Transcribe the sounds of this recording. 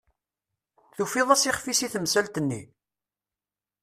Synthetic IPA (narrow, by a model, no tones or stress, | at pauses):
θufiðˤæsiχfisiθəmsælt̪ənːḭ